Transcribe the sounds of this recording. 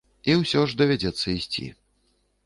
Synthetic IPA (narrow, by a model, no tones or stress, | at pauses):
iwsʲɔʐd̪ɐvʲad͡zʲɛt̪sːɐisʲt͡sʲḭ